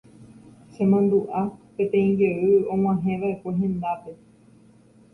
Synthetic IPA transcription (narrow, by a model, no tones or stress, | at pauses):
ʃẽmãnd̪uʔapẽ̞t̪ẽ̞ĩŋɡeʔɨõ̞ŋ̃ãɦẽ̞ʋaekʷe̞ɦẽ̞nd̪ape̞